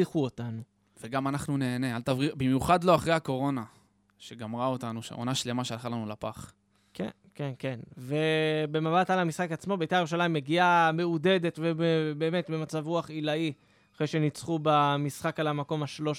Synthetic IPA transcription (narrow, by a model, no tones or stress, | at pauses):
iχuotanu | veɡamanaχnune̞ːne̞alt̪avʁibimjuχad̪lo̞aχʁejako̞ʁo̞na | ʃeɡamʁao̞tanuʃḛo̰naʃle̞maʃealχalanulapaχ | ke | kenkenve̞be̞mabatalamisχakat͡smo̞beitajeʁuʃ̬alaimːeɡiame̞ude̞d̪e̞tvebebe̞ːme̞tbemat͡savʁuaχilai | aχʁejʃe̞nit͡sχubamisχakalamako̞maʃlo̞ʃ